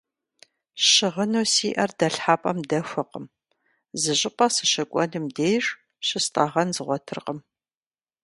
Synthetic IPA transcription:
ʃɪʁənoːsiːʔɐrdɐɬħaːpʼɐmdɐfʷɨqəm | zɨʑʼɪpʼɐsɨʃɐkʷʼɔnɨmdeːjɕ | ɕɪstʼɐʁɐnzɨʁʷɔtʰɨrqəm

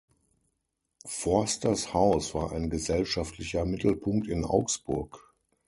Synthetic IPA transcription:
fɔɐstɐshaʊsv̥aːɐʔaɪnɡəzɛlʃaftʰlɪçɐmɪtʰl̩pʰʊŋk̚tɪnʔa̰ʊksb̥ʊɐk

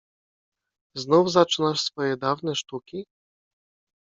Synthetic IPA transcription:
znɔwzat͡ʂɨnaʂsvɔjɛd̪awnɛʂt̪ukʲi

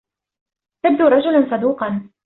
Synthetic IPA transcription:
t̪ab̚d̪uːɾˤɑd͡ʒʊlansˤɑd̪uːqɑn

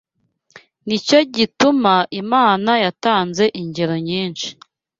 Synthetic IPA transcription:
nico̞ɟitumaʔimaːnajataːnze̞ʔiɲɟeɾo̞ɲiːnʃi̥

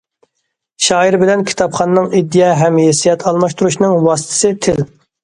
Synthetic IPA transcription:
ʃɑːiɾbɪlɛnkʲʰi̥t̪ʰɑpχɑnːɨŋid̪ːijɛɦɛmjesijɛt̪ʰɑlˠmɑʃt̪uɾuʃnɨŋwɑːsɨ̥t̪ʰɪ̥sɨt̪ʰɪl

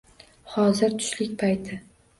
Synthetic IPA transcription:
hɒzɪɾt̪ʰʊ̥ʃlɪkʲpʰajt̪ʰɪ

